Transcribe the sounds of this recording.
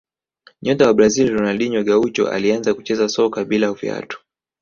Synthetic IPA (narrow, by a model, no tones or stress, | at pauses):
ɲɔtawaɓɾazilɾɔnalɗiɲwaɡaut͡ʃɔ̰ʔa̰lianzakut͡ʃɛzasɔkaɓilaufia̰tu̥